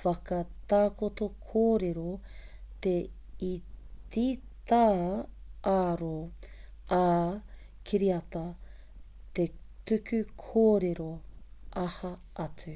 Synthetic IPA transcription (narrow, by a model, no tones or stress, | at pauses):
fɐkɐt̪aːkot̪okʰoːɾeɾot̪e | itit̪aː | aɾo | a | kʰiɾiɐt̪ɐ | t̪etʉkʰʉkʰoːɾeɾoʔɐhɐ | ʔɐt͡sʉ